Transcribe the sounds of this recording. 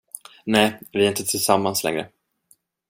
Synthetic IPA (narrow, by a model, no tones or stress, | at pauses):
nɛːvɪaɾɪnt̪ət̪ʰɪlsamːanslɛ̰ŋɾə̰